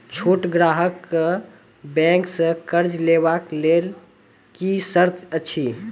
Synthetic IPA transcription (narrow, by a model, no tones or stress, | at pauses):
t͡ʃʰuʈɡɾaɦəkːə | bɛ̃ŋksə̃kəɾd͡ʒlebaklel | kisəɾt̪ʰət͡ʃʰi